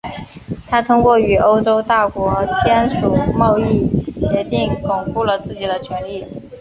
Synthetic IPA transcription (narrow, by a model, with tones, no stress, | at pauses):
t̪ʰa˥t̪ʰʊ˥ŋkwɔ˥˩y˨˩ʔo˥ʊʈ͡ʂo˥ʊt̪a˥˩kwɔ˧˥t͡ɕʰjɛ˥nʂu˨˩mɑ˥˧ʊi˥˩ɕjɛ˧˥t̪i˥˩ŋkʊ˨˩ŋpu˥˩lə˩t͡sɹ̩˥˩t͡ɕi˨˩d̪ə˦t͡ɕʰɥɛ˧˥nli˥˩